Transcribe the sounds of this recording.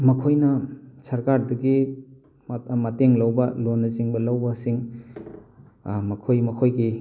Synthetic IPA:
mɐkʰojnɐsɐɾkaɾdɐɡi | mɐteŋlɐwbɐlonːɐziŋbɐlɐwbɐsiŋ | mɐkʰojmɐkʰojɡi

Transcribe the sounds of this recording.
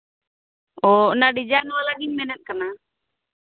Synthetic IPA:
ɔnaɖid͡ʒanwalaɡinmɛnɛt̪̚ˀkana

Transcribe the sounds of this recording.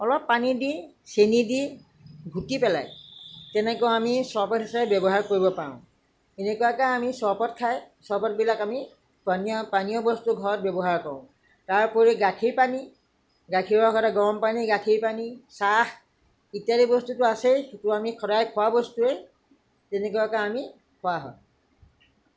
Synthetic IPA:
ɔlɔpːanidi | senidi | ɡʱutipɛlajtɛnɛkɔamisɔɹpɔtɦisapɛbjɔbɔɦaɹkoɹibɔpaʊ̃ | enekujakaamisɔɹpɔtkʰaj | sɔɹpɔt̚bilakami | paniɔpaniɔbɔstuɡʱɔɹɔt̚bɛbɔɦaɹkɔɹʊ̃ | taɹpɔɹiɡakʰiɹpani | ɡakʰiɹbɔkʰɔtaɡɔmpaniɡakʰiɹpanisah | itijaɾibɔstutʊasextʊamikʰɔɾajkʰɔwabɔstuɛ | tɛnekujakãami | kʰɔwaɦɔ̰j

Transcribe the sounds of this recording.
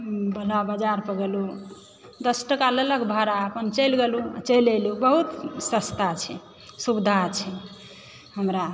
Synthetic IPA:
bəlabad͡ʒaɾpəɡelu | d̪əsʈəkalələɡbʱaɾaəpənt͡ʃəlɡelut͡ʃəlelubəɦut̪səst̪at͡ʃʰɛ | subd̪ʱat͡ʃʰɛ | ɦəmɾa

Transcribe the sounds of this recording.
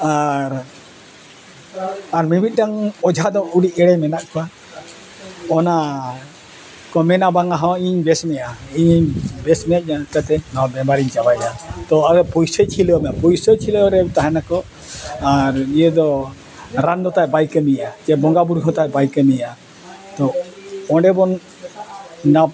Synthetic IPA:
aɾ | aɾmibit̪̚ˀɖaŋɔd͡ʒʱad̪ɔuɽiɛɽɛmɛnaʔkɔwa | ɔna | kɔmɛnabaŋaɦɔ̃iɲbɛsmɛjaiɲbɛsmɛjaʔ̚ak̪at̪ɛnãbɛbaɾiɲt͡ʃabajd̪at̪ɔaɔpɔjsɔt͡ʃʰilɔɔmɛapɔjsɔt͡ʃʰilɔɔɾɛt̪aɦɛnakɔ | aɾijəd̪ɔ | ɾand̪ɔt̪ajɛbajkəmijad͡ʒɛbɔŋɡabuɾkʰɔ̃t̪ajbajkəmija | t̪ɔɔ̃ɖɛbɔn | a

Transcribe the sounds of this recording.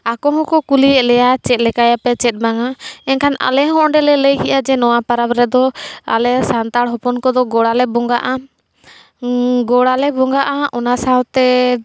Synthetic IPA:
akɔɦɔ̃kɔkuliɛʔlɛjat͡ʃɛt̪̚lɛkajapɛt͡ʃɛt̪̚baŋaɛnkʰana̰lɛɦɔ̃ʔɖɛlɛləjɦiʔad͡ʒɛnɔwapaɾapɾɛd̪ɔa̰lɛsant̪aɽɦɔpɔnkɔd̪ɔɡɔɽalɛbɔŋɡaʔa | ɡɔɽalɛbɔŋɡaʔaʔɔnasawt̪ɛ

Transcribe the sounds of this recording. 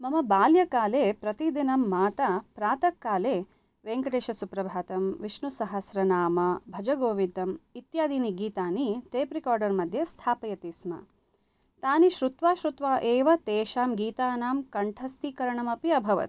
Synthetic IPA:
mɐmɐbaːljɐkaːleːpɾɐt̪id̪inɐmːaːt̪ɐpɾaːt̪ɐkːaːleː | ʋeːŋkɐʈeːʃɐsupɾɐbʱaːt̪ɐmʋiʃɳusɐɦɐsɾɐnaːmɐbʱɐd͡ʒɐɡoːʋid̪ɐmit̪jaːd̪iːniɡiːt̪aːniʈeːpɾikaːɾɖɐɾmɐd̪ʱjɐst̪ʰaːpɐjɐt̪iːsmɐ̰ | t̪aːniʃɾut̪ʋaːʃɾut̪ʋaːʔeːʋɐt̪eːʃaːmɡiːt̪aːnaːmkɐɳʈʰɐst̪ʰikɐɾɐɳɐmɐpiɐbʱɐʋɐ̰t̪

